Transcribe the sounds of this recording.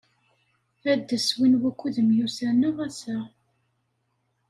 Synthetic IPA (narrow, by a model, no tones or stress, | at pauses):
æd̪ːəswinwækʷːuðəmjusænəʁæsæ